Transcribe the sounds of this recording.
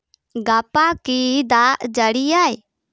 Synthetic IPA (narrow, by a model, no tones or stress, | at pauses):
ɡapakid̪ad͡ʒəɽijaj